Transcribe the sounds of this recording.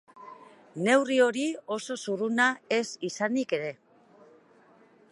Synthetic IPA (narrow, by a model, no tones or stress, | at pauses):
ne̞wrio̞ɾio̞so̞surunae̞sisanike̞ɾe̞